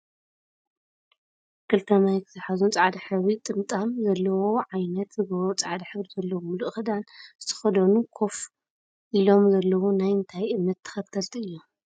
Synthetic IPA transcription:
kʰɨlt̪ʰɐmajkʰɨzɨħazunt͡sʼaʕd̪aħɨβit̪ʼɨmt̪ʼamzɐlːɐwo̞ʕajnɐt̪zɨzɐwot͡sʼaʕd̪aħɨβizɐlːɐwomluʔxɨd̪ant̪ʰɨ̥xɐd̪ɐnukʰo̞f | ʔilo̞mzɐlːɐwonajɨnt̪ʰajʔɨmːɐt̪ʰːɐ̥xɐt̪ʰɐlt̪ʰiɨjːu

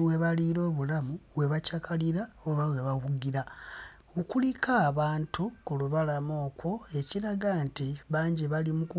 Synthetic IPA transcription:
we̞βaliɾo̞ːβulamuβweβacakʰaliɾaoβawe̞βaɣuɡiɾa | okulikʰaːβaːntukuluβalamo̞ːkwo̞e̞ciɾaɡantiβaːɲɟeβalimuku

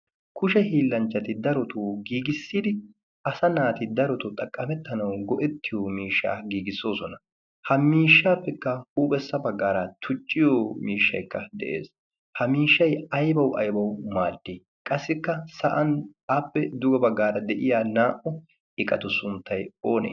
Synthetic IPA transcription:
kʰʊʃɛhiːlːɐnt͡ʃːɐt̪ɪd̪ɐɾɔt̪uːɡiːɡɪsːid̪ɪ | ʔɐsɐnaːt̪ɪd̪ɐɾɔt̪ʊt̪ʼɐkʼːɐmɛt̪ːɐnɐwɡɔʔɛt̪ːɪjɔmiːʃːa̰ːɡiːɡɪsːo̞ːsɔnɐ | hɐmiːʃːaːpːɛkːɐhuːpʼɛsːɐbɐɡːaːɾɐt̪ʰʊt͡ʃʼːɪjomiːʃːɐ̰jkːɐd̪ɛʔḛːs | hɐmiːʃːɐjɐjbɐwʔɐ̰jbɐwmaːd̪ːe | kʼɐsːɪkːɐsɐʔɐnaːpːɛd̪ʊɡɛbɐɡːaːɾɐd̪ɛʔɪjaːnaːʔɔ | ɪkʼɐt̪ʊsʊnt̪ːɐjoːnḛ

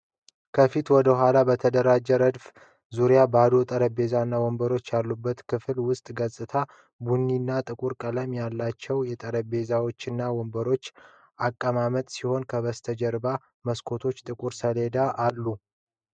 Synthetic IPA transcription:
kʰəfit̪wɔd̪əɦʷalabət̪ʰəd̪əɾad͡ʒːɛɾəd̪f | zuɾjabad̪ot̪ʼəɾəbe̞zanːawɔmbəɾo̞t͡ʃːjalːubːət̪kʰɨflwʊst̪ʼɡəsʼɨt̪ʰa | bunːinːat̪ʼɨkʼuɾkʼələmjalːat͡ʃːɛwjɛt̪ʼəɾəbe̞zawo̞t͡ʃːɨnːawɔmbəɾo̞t͡ʃː | akʼːəmamət̪ʼsiho̞nkʰəβəst̪ʰəd͡ʒɛɾba | məskʰo̞t̪ʰo̞t͡ʃːt̪ʼɨkʼuɾsəle̞d̪aʔːlːu

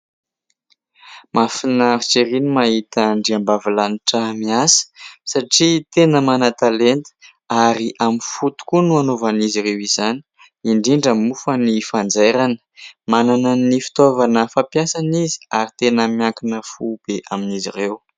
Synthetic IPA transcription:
mafinaɾit͡ʃeɾinimaɦit̪əɳɖ͡ʐiambavilaniʈ͡ʂəmiasə̥saʈ͡ʂit̪enəmanat̪alent̪ə̥ | aɾiʔamifut̪u̥kunuanovanizirewizani̥ | iɳɖ͡ʐiɳɖ͡ʐəmufənifand͡zeɾanə̥mananənifi̥t̪ovanəfapjasanizi̥aɾit̪enəmiaŋkinəfub̥eʔaminizirew

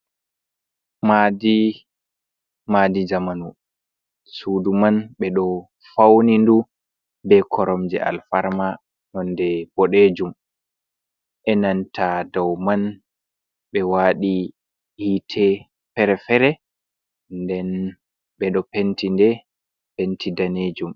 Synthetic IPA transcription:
madi | madid͡ʒamanu | suːdumanɓɛɗɔ | fawnindu | bɛkʰɔɾɔmd͡ʒɛ̰ʔa̰lfaɾma | nɔndɛb̥ɔɗed͡ʒum | ʔɛnantʰadɔwman | ɓɛwaɗi | hitʰɛ | fɛɾɛfɛɾɛ | ndɛn | ɓɛɗɔpentindɛ | pentʰidaned͡ʒum

